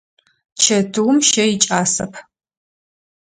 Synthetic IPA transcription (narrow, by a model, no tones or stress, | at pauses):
t͡ʃʰɐtʰuwmʃɐjɪt͡ʃʼaːsɐ̰pʰ